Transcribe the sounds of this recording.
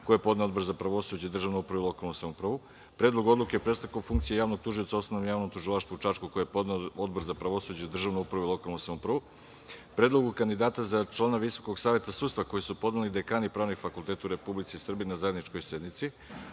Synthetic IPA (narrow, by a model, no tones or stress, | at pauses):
kojepo̞d̪neo̞d̪̚bo̞ɾzapɾaʋo̞sud͡ʑaid̪r̩ʒavnuupɾaʋuilo̞kalnusamoupɾaʋu | pɾed̪loɡo̞d̪lˠukepɾe̞st̪akofuŋkt̪siejaːvno̞ɡ̚t̪uʒijo̞t̪sao̞snonomjaːʋnomt̪uʒilaʃt̪vut͡ʃaːʃtkukojepod̪neod̪bo̞ɾzapɾaʋo̞sud͡ʑeid̪r̩ʒaʋnuupɾaʋuilˠo̞kalˠnusamopɾaʋu | pɾed̪lˠo̞ɡukand̪id̪aːt̪azat͡ʃlˠaːnaʋiso̞koɡsaːʋje̞t̪asud̪t̪vako̞jisupo̞d̪nelid̪ekaːnipɾaːʋnixfakulˠt̪eːt̪auɾe̞publit̪sisr̩biinazae̞d̪nit͡ʃko̞jse̞d̪nit̪si